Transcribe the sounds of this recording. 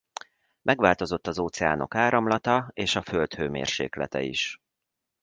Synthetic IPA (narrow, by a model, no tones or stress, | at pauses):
mʔɛɡʋaːlt̪o̞zo̞t̪ːɒzoːt̪sɛa̰ːno̞̰kaːɾɒmlɒt̪ɒeːʃɒfølt̪høːmḛːrʃeːklɛ̰t̪ɛ̰iʃ